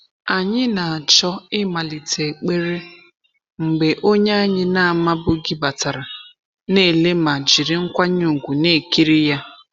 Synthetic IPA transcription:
a˨ɲɪ˦na˨a˨t͡ʃɔ˦ɪ˦ma˨li˨tʰe˨k͡pe˦ɾe˦ | ŋ͡m̩˨ɡ͡be˨ʔo˦ɲa˦a˦ɲɪ˦na˦a˨ma˦bʊ˦ɡi˦ba˨ta˨ɾa˨ | ne˦˨le˦ma˨d͡ʒi˨ɾɪ˦ŋ̩˦kʷa˦ɲu˨ɡʷu˨ne˦˨ki˦ɾi˦ja˦

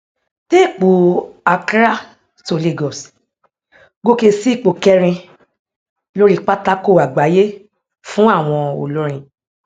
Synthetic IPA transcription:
te˦˨k͡po˨a˨kɾa˦ | to˨le˨ɡɔ˨s | ɡo˦ke˧si˦i˦˨k͡po˨kɛ˦ɾ̃ĩ˧ | lo˦ɾi˦k͡pa˦ta˦ko˦˨a˨ɡ͡ba˨˦je˦ | fũ˦a˦˨w̃ɔ̃˧o̰˨lo˨˦ɾ̃ĩ˧

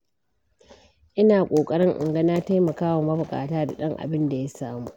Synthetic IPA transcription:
ʔɪ˦naː˨kʷʼoː˨kʼɐ˦ɽɪ˦ŋʔɪ̰˨ŋɡɐ˦naː˦ta˦jmɐ˨kaː˦wɐ˨mɐ˦bʊ˨kʼa̰ː˨taː˦da˨ɗɐ˦ŋʔa̰˨bɪ˦nda˨ja˦saː˦muː˦ʔ

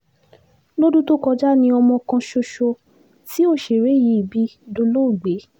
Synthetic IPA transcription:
lo˦du˦to˦kɔ˧d͡ʒa˦nĩ˧ɔ˧mɔ̃˧kã˧ʃo˧ʃo˧ | ti˦o˦˨ʃe˨ɾe˨˦ji˧˦i˨bi˨˦do˧lo˦˨ɡ͡be˨˦

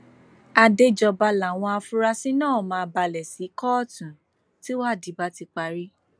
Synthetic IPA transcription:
a˧de˧d͡ʒɔ˧ba˧la˨w̃ɔ̃˧a˧fũ˦ɾa˧sĩ˦nãː˦˨mãː˧˦ba˧lɛ˨si˨˦kɔ˦˨tũ˨ | ti˦wa˦˨di˨˦ba˧˦ti˧k͡pa˧ɾi˦

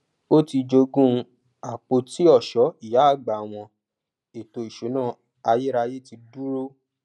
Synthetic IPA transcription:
o˦ti˧d͡ʒo˧ɡũ˦˧ | a˨k͡po˧ti˦ɔ˦˨ʃɔ˨˦i˦˨ja˨˦a˦˨ɡ͡ba˨w̃ɔ̃˧ | e˨to˧i˨ʃo˨˦nãː˦˨ | a˧je˦ɾa˧je˦˨ti˧du˦ɾo˦

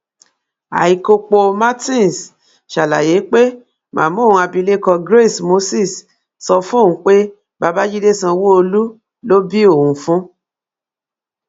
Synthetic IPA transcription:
a̰˨i˨ko˧k͡po˧ma˦tĩ˦˨n˨s | ʃa˨la̰˨je˨˦k͡pe˦ | mʔã̰ː˨mõ˦˨˧a˧bi˧le˦kɔ˧ɡɾe˦˨smo˧˦si˦˨s | sɔ˧fũ˦˨ũ˨˦k͡pe˦ | ba˧ba˦d͡ʒi˦de˦sã˧wo˦o˧lu˦ | lo˦bi˦o˦˨wũ˨fũ˦

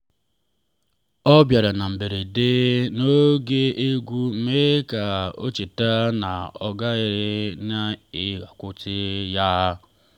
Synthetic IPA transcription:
ɔ˦bja˨ɾa˨na˨m̩˨be˨ɾe˨de˦no˦ɡe˦ʔe˦ɡʷu˦m̩˦me˦ka˨o̰˦t͡ʃi˨ta˦na̰˨ɔ̰˨ɡa˦ɪ˨ɾɪ˦na˦ɪ˦ɣa˨kʷʊ˦tɪ˦ja˦

